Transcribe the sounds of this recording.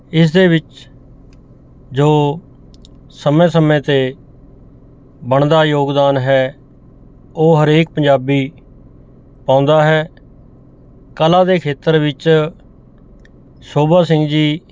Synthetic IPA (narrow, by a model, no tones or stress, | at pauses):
ɪs̬d̪eːbɪt͡ʃ | d͡ʒoː | səmẽːsəmẽːt̪eː | bəɳd̪aːjoːɡd̪aːnɦɛː | oːɦəɾeːk̚pəɲd͡ʒaːbiː | pãːʊnd̪aːɦɛː | kəlãːd̪eːkʰeːt̪əɾʋɪt͡ʃ | soːbaːsɪ̃ŋɡd͡ʒiː